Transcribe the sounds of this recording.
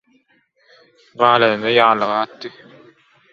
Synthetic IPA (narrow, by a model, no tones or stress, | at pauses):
ʁɑːlˠɐðɯnd̪ɑjɑːlˠːɯʁɑːt̪ːɯ